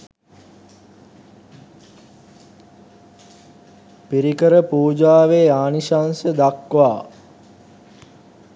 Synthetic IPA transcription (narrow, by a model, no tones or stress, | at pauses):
piɾikəɾəpuːd͡ʒaːʋeːaːniʃaːnsəd̪akʋaː